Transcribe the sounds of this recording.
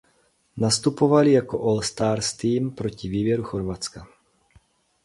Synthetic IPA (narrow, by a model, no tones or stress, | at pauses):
nast̪upovalijakoʔolst̪aːɾst̪iːmpɾocɪviːbjɛɾuxoɾvat͡ska